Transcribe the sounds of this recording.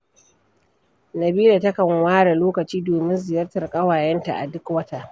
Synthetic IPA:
nɐ˨biː˦da˨tɐ˦kɐ˨ŋwaː˦ɽa˨loː˦kɐ˨t͡ʃiː˦doː˨mɪ˦nzɪ˨jɐ˦rtɐ˨rkʼɐ˦waː˨jɛ˦nta̰˨ʔa̰˨dʊ˦kwɐ˦ta˦˨ʔ

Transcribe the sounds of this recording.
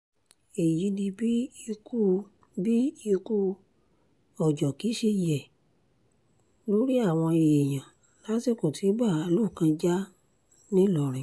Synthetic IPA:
e˨ji˨˦dĩ˧bi˦i˧ku˦ | bi˦i˧ku˦ | ɔ˨d͡ʒɔ˨ki˨˦ʃe˧i˨ɛ˨ | lo˦ɾi˦a˦˨w̃ɔ̃˧i˨je˨j̃ã˨ | la˨˦ti˦˨ko˨tʰi˨˦ba˦˨a˨˧lu˦˨kã˧d͡ʒa˦ | nĩ˦lɔ˨ɾ̃ĩ˨

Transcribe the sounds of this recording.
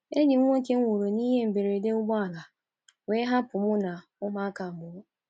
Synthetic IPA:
e˦ɲɪ˨ŋ˦o˦ke˦ŋ̩˦wu˨ɾo˨ni˦ɦe˦m̩˨be˨ɾe˨de˦ʊ˦ɡ͡bɔ˦a˨la˨ | weː˦ɦa˦pʊ˨mʊ˦na˨ | ʊ˦ma˦a˦ka˨mʊ˨˦

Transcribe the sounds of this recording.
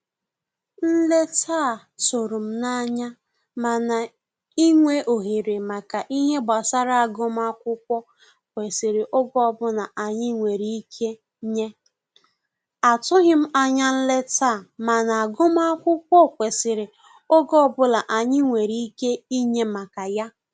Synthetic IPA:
n̩˦le˦tʰaː˦˨ | to˨ɾu˨m̩˦na˦ɲa˦ | ma˨na˨ | i˦ŋʷe˦ʔo˨ɦi˨ɾɪ˨ma˨ka˨ʔi˦ɦe˦ba˨sa˦ɾa˦a˨ɡʊ˦m˦a˦kʷʊ˦kʷɔ˦ | kʷe˨sɪ˨ɾɪ˨ʔo˦ɡɔ˦˨bʊ˦na˨ʔa˨ɲɪ˦ŋʷe˨ɾi˦kʰe˦ | ɲe˦ | a˨tʊ˦ɦɪ˦m̩˦a˦ɲa˦n̩˦le˦ta˦˨ma˨na˨a˨ɡo˦m˦a˦kʷʊ˦kʷɔ˦kʷe˨sɪ˨ɾɪ˨ | o˦ɡɔ˦˨bʊ˦la˨ʔa˨ɲɪ˦ŋʷe˨ɾi˦i˦ke˦i˦ɲe˦ma˨ka˨ja˦

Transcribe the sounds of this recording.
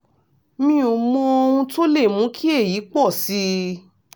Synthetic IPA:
mĩ˦o˨mɔ̃˧o˧wũ˧to˦le˦˨mũ˨˦kʰi˦e˦˨ji˨˦k͡pɔ˦˨si˦

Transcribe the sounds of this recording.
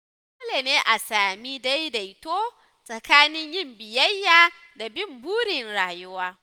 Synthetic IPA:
o˦leː˨neː˦ʔa˨saː˨mi˦da˦jda˨jtoː˦ | sʼɐ˨kaː˦nɪ˦ɲjɪ˦mbɪ˨jɐ˦jːaː˨ | da˨bɪ˦mbuː˦ɽɪ˨nɽaː˨jʊ˦waː˦

